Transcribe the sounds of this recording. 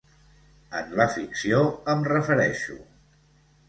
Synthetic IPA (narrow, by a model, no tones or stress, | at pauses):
ə̰nləfiksioəmrəfəɾɛʃṵ